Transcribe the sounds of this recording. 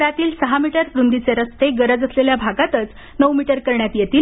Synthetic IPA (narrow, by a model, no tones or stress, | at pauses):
ɾat̪iːlsəɦamiʈəɾpɾund̪it͡seɾəst̪eɡəɾəd͡zəsleljabʱaɡat̪ət͡s | nəwmiʈəɾkəɾɳjat̪jet̪iːl